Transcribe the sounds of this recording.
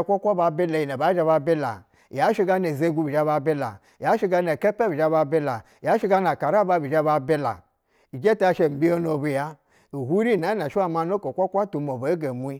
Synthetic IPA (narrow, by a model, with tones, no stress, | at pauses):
kʷa˦kʷa˦ba˧be˦la˨ji˨na˨ba˨˦d͡ʒa˧ba˧be˦la̰˨ | ja˦ʃi˧ɡa˧ne˨ze˦ɡʷu˧bi˨d͡ʒa˧ba˧be˦la̰˨ | a˨˦ʃi˧ɡa˧ne˨ke˦pe˦bi˨d͡ʒa˧ba˧be˦la˨ja˨˦ʃi˦ɡa˧na˨ka˨ɾa˦ba˧bi˨d͡ʒa˧ba˧be˦la̰˨ | i˨d͡ʒe˦ta˦a˧˨ʃe˨m̩˨bʲi˦o˦no˨˧˨bu˨˧ja˦ | i˨hu˦ɾi˦˨na˨˦na˨ʃi˦a˦ma˧no˦ko˨kʷa˦kʷa˦tu˨mo˨be˨˦ɡe˨mu˦i˦